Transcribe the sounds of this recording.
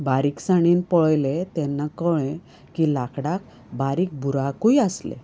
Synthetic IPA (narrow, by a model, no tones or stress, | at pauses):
baɾiːksaɽ̃iːnpɔɭjlet̪ɛnːakəɭ̃ẽ | kilakɽak | baɾiːk̚bʱuɾakujaslḛ